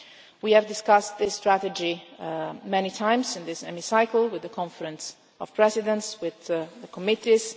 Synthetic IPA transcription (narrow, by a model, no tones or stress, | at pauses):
wiɨvdɪskʌstðɪstɹætəd͡ʒi | mɛnitʰãɪ̃mzɪ̃nðɪsɛ̰misaɪkl̩ˠwɪðəkʰɔ̃ɱfəɾə̃ns | ɔv̥pʰɹɛzɪdə̃ntswɪððəkʰɔmɪtiz̥